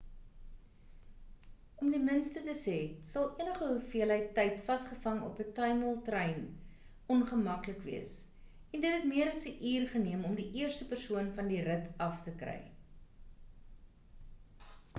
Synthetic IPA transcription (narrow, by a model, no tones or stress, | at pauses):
ɔmdimənstətəsɛtsɐlˠiənəχəɦufiəlɦəjtːɛjtfɐsχəfɐŋɔ̰pətɐjməlˠtrɛjn | ɔnχəmɐkləkviəs | ɛndətɦɛtmiəɾɐsəʔiːrχəniəmɔmdiʔiərstəpərsuənfɐndiɾətɐftəkrɛ̰j